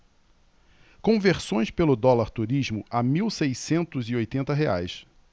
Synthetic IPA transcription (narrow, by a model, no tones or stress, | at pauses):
kõveɾsõj̃spelʊd̪ɔlaɾt̪uɾiʒmʊʔamiwsejsẽnt̪ʊziojt̪ẽnt̪ɐɦea̰js